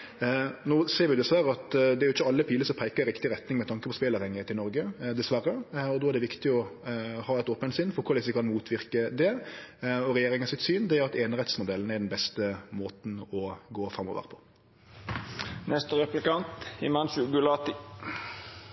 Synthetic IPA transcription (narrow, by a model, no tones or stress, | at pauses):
noːseːɾʋɪjʊd̪ɛsʋæɾəɑt̪d̪ɛæɾjʊɪçːəɑlːəpʰiːləsɔmpʰæɪkəɾɾɪkt̪ɪɾɛt̪nɪŋmɛt̪ʰɑŋkəpʰɔspeːlɑːʋhɛŋːɪt̪ʰɪlnɔɾɡəd̪ɛsʋæɾːəɔd̪ɔːæɾɖ̪ɛʋɪkt̪ɪɔhɑːɛt̪oːpənsɪnfɔɾkʰʊɾlɪsəkʰɑnmuːt̪ʰʋɪɾkəd̪ɛ | ɔɾɛjeːɾɪŋɑsɪt̪syːnd̪ɛːɾɑt̪eːnɾɛt̪smʊd̪ɛlːn̩æɾɖ̪ɛnbɛst̪əmoːt̪n̩ɔɡoːfɾɑmːɔ̰ʋə̰ɾəpʰɔ̥ | nɛst̪əɾɛplɪkɑnt̪ɪmɑnsʉɡʉlɑːt̪ɪ